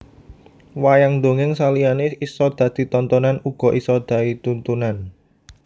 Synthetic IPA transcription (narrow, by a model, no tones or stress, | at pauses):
wajaŋnd̪o̤ŋɪŋsalianeisɔd̪̥ä̤d̪̥i̤t̪ɔnt̪ɔnanuɡ̥ɔ̤ʔisɔd̪̥ä̤it̪unt̪unan